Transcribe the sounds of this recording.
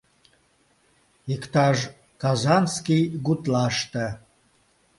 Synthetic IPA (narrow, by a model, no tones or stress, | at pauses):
ikt̪ɑʒ | kazanskijɡut̪laʃt̪ə